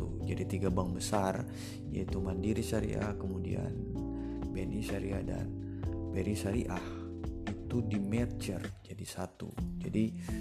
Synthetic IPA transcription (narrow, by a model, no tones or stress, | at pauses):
ud͡ʒadit̪iɡabaŋbəsar | ja̰it̪umandiɾisaɾḭʔa̰hkəmudḭa̰n | benisaɾiada̰n | beɾisaɾiʔah | it̪udimɛrt͡ʃərd͡ʒadisat̪ṵd͡ʒadi